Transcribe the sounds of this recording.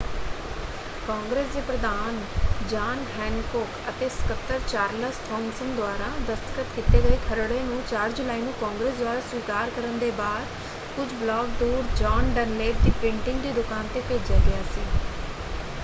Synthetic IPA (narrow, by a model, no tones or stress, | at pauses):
kaːŋɡɾeːs̬d̪eːpɾəd̪aːn | d͡ʒaːnɦɛːnkoːkət̪eːsə̥kət̪ːəɾt͡ʃaːɾləsʈʰɔ̃ːŋɡsənd̪ʊaːɾãːd̪əst̪əkət̪kɪt̪eːɡəeːk̪ʰəɾɽeːnũːt͡ʃaːɾd͡ʒʊlaːiːnũːkaːŋɡɾeːs̬d̪ʊaːɾãːsʋiːkaːɾkəɾənd̪eːbaːd̪ | kʊd͡ʒblɔːɡ̚d̪uːɾd͡ʒaːnɖənleːʈ̚d̪iːpɪ̃ɳʈɪŋɡd̪iːd̪ʊkaːnt̪eːpeːd͡ʒaːɡɪjaːsiː